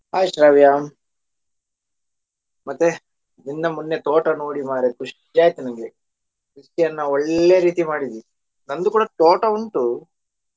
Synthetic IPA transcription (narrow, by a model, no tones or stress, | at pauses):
aːjiʂɾaːʋjaːm | mɐt̪ːe | d̪ind̪ɐmunːet̪oːʈɐno̞ːɽimaːɾekuʂ | d͡ʒaːjt̪inɐŋɡe | ɦusijɐnːɐɔɭːeɾiːt̪imaːɽid̪ii | nɐnd̪ukuːɽɐt̪oːʈɐuɳʈu